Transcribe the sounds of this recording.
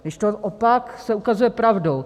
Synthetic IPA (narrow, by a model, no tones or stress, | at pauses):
nɛʃt̪oʔopaksɛukazujɛpɾavdow